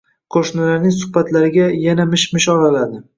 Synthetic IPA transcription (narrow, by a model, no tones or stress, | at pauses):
qʰoʃnalaɾnɪŋsʊhbat̪laɾɪɡʲajanamɪʃmɪʃɒlalad̪ɪ